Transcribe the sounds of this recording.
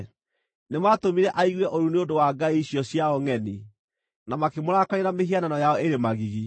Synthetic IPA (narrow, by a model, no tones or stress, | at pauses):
nematomiɾɛʔaiɣwɛʔoɾuneodowaɡaiɕjɔsjaɔŋɛni | namakemoɾakaeɾameɦiananɔjaɔeɾemaɣiɣi